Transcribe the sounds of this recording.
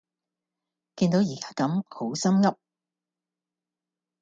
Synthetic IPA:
kiː˧nt̪o˨˥wjiː˨˩kaː˥kɐ˨˥mho˨˥wsɐ˥mŋɐ˥p̚

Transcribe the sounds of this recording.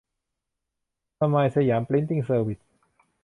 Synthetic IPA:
t̪ʰa˧maː˧jsa˧jaː˩˦mpli˦˥nt̪i˧˩ŋsɤː˧wi˨˩t̪̚

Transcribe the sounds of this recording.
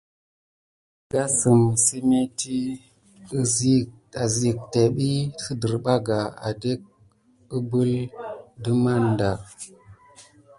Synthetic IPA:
ɡ̥a˦sə˨msi˦me˦ti˦ | ə˦zi˦ | a˨zi˨k̚te˨ɓi˦si˦də˨ɾɓa˦ɡa˨a̰˨de˦k̚ | ə˦bu˦ldə˦ma˦˨nda˨

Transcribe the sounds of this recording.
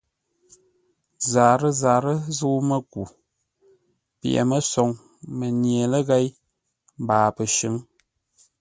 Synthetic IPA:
zaː˨ɾə˦zaː˨ɾə˦zɨ˦mə˦ku˨ | pḭ˦˨ʔɛ̰˨mə˦sɔ˨ŋ | mə˨nje˨lə˦ɣɛ˦j | m˦baː˨pə˨ʃɨ˨˦ŋ

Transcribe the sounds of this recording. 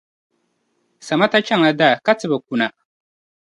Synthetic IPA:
sa˨ma˦ta˦t͡ʃa˦ŋa˦da˦˨ka˦tɨ˦ba˨k̚u˦˨na˨

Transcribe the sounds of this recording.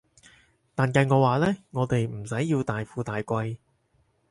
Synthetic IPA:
t̪aː˨nkɐ˧jŋɔː˨˧waː˨˧lɛː˥ŋɔː˨˧t̪e˨jm̩˨˩sɐ˨˥jːiː˧wt̪aː˨jfuː˨˧t̪aː˨jkʷɐ˧j

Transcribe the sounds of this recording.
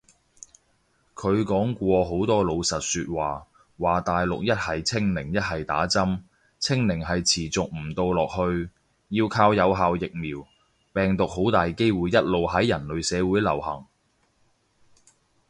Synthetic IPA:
kʰɵ˨˧ɥkɔː˨˥ŋkʷɔː˧ɦo˨˥wt̪ɔː˥lo˨˧wsɐ˨t̚syː˧t̚waː˨ | waː˨t̪aː˨jlʊ̰˨k̚jɐ˥t̚hɐ˨jt͡sʰɪ˥ŋlɪ˨˩ŋjɐ˥t̚hɐ˨jt̪a̰ː˨˥t͡sɐ˥m | t͡sʰɪ˥ŋlɪ˨˩ŋɦɐ˨jt͡sʰiː˨˩t͡sʊ˨k̚m̩˨˩t̪o˧wlɔː˨k̚hɵ˧ɥ | jiː˧wkʰaː˧wjɐ˨˧wɦaː˨˧wjɪ˨k̚miː˨˩w | pɛː˨ŋt̪ʊ˨k̚ho˨˥wt̪aː˨jke˥jwuː˨˩jːɐ˥t̚lo˨wɦɐ˨˥jjɐ˨˩nlɵ˨˧ɥsɛː˨˧wu˨˥jlɐ̰˨˩whɐ˨˩ŋ

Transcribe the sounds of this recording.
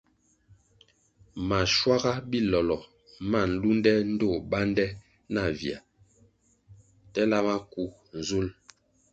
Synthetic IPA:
ma˨ʃwa˦ɡa˦bi˦lɔ˨lɔ˨ | ma˦˨n̩˨lu˦ndɛ˦n̩˦do˦˨ba˦ndɛ˦ | na˨vja̰˨ | tɛ˦la˦ma˦ku˦ | n˨zu˦l

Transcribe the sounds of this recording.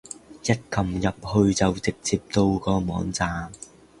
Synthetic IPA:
jɐ˥t̚kɐ˨˩mjɐ˨p̚hɵ˧ɥt͡sɐ˨wt͡sɪ˨k̚t͡siː˧p̚t̪o˧wkɔː˧mɔː˨˥ŋt͡saː˨m

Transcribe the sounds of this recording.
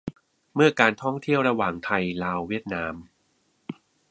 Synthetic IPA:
mɯ˥˩ɐkaː˧nt̪ʰɔ˥˩ŋt̪ʰi˥˩əwɾa˧waː˨˩ŋt̪ʰa˧jlaː˧wːi˥˩ət̪̚naː˧m

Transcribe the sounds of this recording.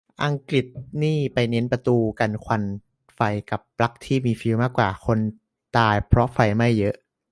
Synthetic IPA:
ʔa˧ŋkli˨˩t̪̚niː˥˩pa˧jne˦˥npa˧t̪uː˧ka˧nkʰwa˧n | fa˧jka˨˩pːla˦˥k̚t̪ʰiː˥˩miː˧fi˧wmaː˥˩kːwaː˨˩kʰo˧n | t̪aː˧jpʰɾɔ˦˥ʔfa˧jma˥˩jːɤ˦˥ʔ

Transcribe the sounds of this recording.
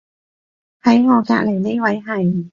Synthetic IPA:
hɐ˨˥jŋɔː˨˧ka̰ː˧k̚ljne˥wɐ˨˥jɦɐ˨˩j

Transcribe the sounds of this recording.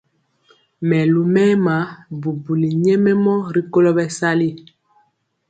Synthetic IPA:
mɛ˨lu˨mɛ˦ma˨˦bu˨bu˨li˨ɲɛ˦mɛ˦mɔ˦ɾi˦ko˦lɔ˦bɛ˦sa˦li˦

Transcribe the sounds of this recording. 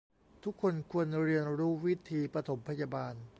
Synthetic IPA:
t̪ʰu˦˥kʰːo˧nkʰu˧ənɾi˧ənɾuː˦˥wi˦˥t̪ʰiː˧pɾa˧t̪ʰo˩˦mpʰa˧jaː˧baː˧n

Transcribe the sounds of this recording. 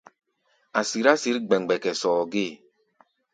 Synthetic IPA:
a˨si˨ɾa˦si˨˦ɾi˦ɡ͡bɛ˨ŋ˨ɡ͡bɛ˨kɛ˨sɔː˨ɡe˦˨

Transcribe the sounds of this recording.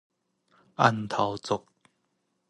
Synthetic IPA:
ʔa˥˧˨nt̪ʰa˨˩wt͡sʊ˨˩k̚

